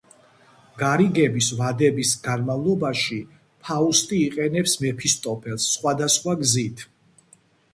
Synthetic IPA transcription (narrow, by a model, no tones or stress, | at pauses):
ɡaɾiɡɛbisvad̪ɛbisɡanmavlˠɔbaʃi | pʰaust̪ʼiːqʼɛnɛpsmɛpʰist̪ʼɔpʰɛlˠsːχwad̪asχwaɡzit̪ʰ